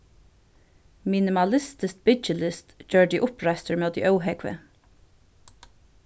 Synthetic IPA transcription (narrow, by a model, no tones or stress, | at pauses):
mɪnɪmɑlɪst̪ɪst̪̚bɪt͡ʃəlɪst̪d͡ʒøːɹɖ̪iːʔʊpɹæɪst̪əɹmeːd̪ḭːʔœwɦɛkʋə̰